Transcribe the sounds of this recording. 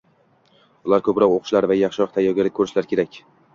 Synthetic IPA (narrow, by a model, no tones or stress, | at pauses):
ʊlˠaɾkʰɵpɾɒqoqʊ̥ʃlaɾvajɑχʃɪɒχt̪ʰajɒɡʲalɪk̚ʲʰːɵɾɪʃlaɾkʲʰe̞ɾakʲ